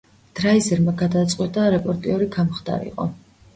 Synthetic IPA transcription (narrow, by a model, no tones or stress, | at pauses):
d̪̥ɾaizɛɾmaɡad̪at̪sʼqʼwɛt̪ʼaɾɛpʼɔɾt̪ʼiɔɾiɡʰamχd̪a̰ɾḭqʼɔ̰